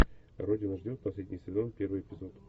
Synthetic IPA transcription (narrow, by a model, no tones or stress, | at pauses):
rodʲɪnəʐdʲot̪̚pɐsʲlʲedʲnʲɪjsvʲɪd̪onpʲe̞rvɨjɪpʲɪzo̞t̪